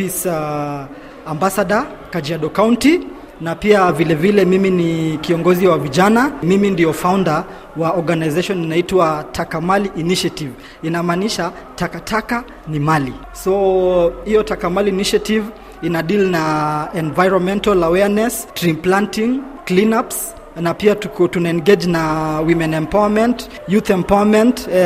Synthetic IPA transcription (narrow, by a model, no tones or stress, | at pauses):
fis | ambasaɗa | kad͡ʒiaɗɔkawunti | napiavilɛvilɛmiminikiɔŋɡɔziwaviʄanamimindijɔfawnda | waɔɾɡanajzaʃɔninaitwatʰakamaliʔːniʃativ | inamaːniʃa | takatʰaka | nimali | sɔhijɔtakamaliːniʃativ | inaɗilnaɛnvajɹɔnmɛ̃ntalawɛnɛstɾimplantiŋ | klinaps | napiatunaɛnɡed͡ʒnawimɛ̃nɛ̃mpawamɛ̃nt | juθɛmpawamɛ̃nt